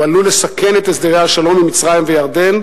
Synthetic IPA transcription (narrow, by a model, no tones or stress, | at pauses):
alule̞sake̞net̪esd̪eʁeaʃalo̞mimit͡sʁajimvejaʁd̪e̞n